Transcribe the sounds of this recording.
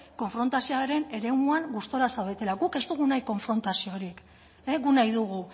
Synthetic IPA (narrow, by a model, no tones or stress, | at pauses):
ko̞ɱfɾo̞nt̪asioaɾe̞ne̞ɾe̞muaŋɡust̪o̞ɾasawβet̪e̞laɡuke̞zt̪uɣunajko̞ɱfɾo̞nt̪asioɾik | eɣunajðuɣu